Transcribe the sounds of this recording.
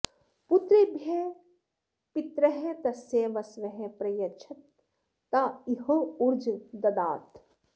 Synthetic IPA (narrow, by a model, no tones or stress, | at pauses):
put̪ɾibʱje | pit̪ɾɐɦet̪ɐseːʋɐsʋɐɦepɾɐjɐt͡ʃʰɐt̪̚ː | ɐiɦouɾd͡ʒd̪ɐd̪aːt̪